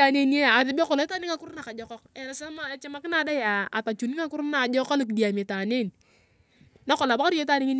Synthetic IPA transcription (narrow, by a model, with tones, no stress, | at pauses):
a˨ne˦ne˦˨a˨ðɪ˨˦bɔ˦kɔ˨lɔ˨˦ta˦nɪ˦ŋa˦kʊ˦ɾna˨ka˨d͡ʒɔ˦kɔ˦kɛ˨na˨sa˦ma˦˨t͡ʃa˦ma˦kɪ˦na˨˦da˦ja˨a˨ta˨t͡ʃu˨ni˦ŋa˦kʊ˦ɾna˨d͡ʒɔ˦ka˦lo˦˨k̬i˨di˨a˨me˨ta˨ne˦˨n | na˦kɔ˨la˨ba˦ka˦ɾi˦je˦ta˦nɪ˦ŋi˦n